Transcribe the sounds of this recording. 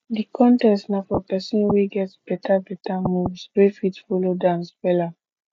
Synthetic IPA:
dikʰɔ̃ntɛsnafɔpɛsɔ̃nweɡɛtsb̥ɛtʰabɛtʰamuvsɹefitfɔlodãnsfɛla

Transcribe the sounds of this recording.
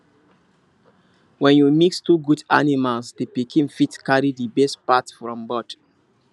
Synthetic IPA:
wɛ̃njumikstuɡuda̰nimalsdepikʰĩnfitkaɹidibɛstpatsfɹɔ̃mbɔd

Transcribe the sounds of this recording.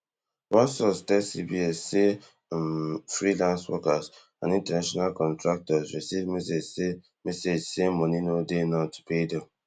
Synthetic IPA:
wɔ̃sɔstɛsibiesse | mfɹilãnswɔ̰kaz | ã̰nĩntanaʃɔnalkɔ̃ntɹak̚tɔsɹisivmɛsed͡ʒse | mɛsed͡ʒsemɔninodenɔtu̥pedã

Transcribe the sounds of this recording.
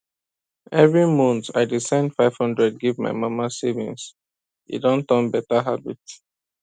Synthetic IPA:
ɛvɹimɔ̃nta̰ɪdisãɪ̃ndfaɪv̥hɔ̃ndɹɛd̚ɡivma̰ɪmɔmasevḭ̃ns | ḭdɔ̃ntɔ̃nbɛtaɦabḭt

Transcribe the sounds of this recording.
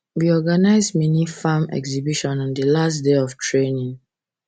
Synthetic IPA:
wiɔɡanaɪzdminifãmɛ̰ɡzibiʃɔ̃nɔ̃ndəlas̬tdeɔftʰɹẽnĩŋ

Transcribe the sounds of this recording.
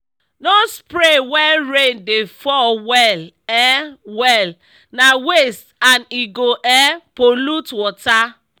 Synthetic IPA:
dɔnspɹewɛɹẽndefɔwɛl | ɛwɛl | nawestaniɡoʔɛpolutwɔta

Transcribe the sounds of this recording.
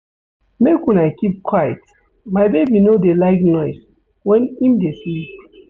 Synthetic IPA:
mekwɛ̃naɪkʰip̚kʰwajɛ̰t | maɪbebinodelaɪknɔɪs | wɛ̃nĩmdesip

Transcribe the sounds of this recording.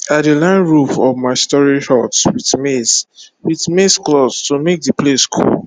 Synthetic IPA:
adilãɪ̃nɹufɔvmaɪstɔɹihɔtswitmeswiθmesklɔstomek̚dipleskʰṵl

